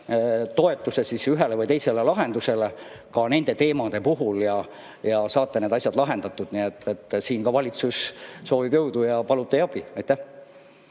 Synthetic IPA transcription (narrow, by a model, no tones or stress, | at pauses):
t̪o̞e̞t̪ːˑusesisyɦe̞levɤjt̪e̞jse̞le̞lɑɦe̞nd̪use̞le | kɑne̞nd̪̥e̞t̪e̞ːmɑd̪e̞puɦuljɑ | jɑsɑːt̪ːˑene̞d̪ɑsʲjɑd̪lɑɦe̞nd̪ɑt̪ːˑud̪̥niet̪ːet̪ːˑsiːnkɑvɑlʲit̪susso̞ːvibjɤwd̪ujɑpɑlut̪ːˑejɑb̥iɑjt̪ːˑæh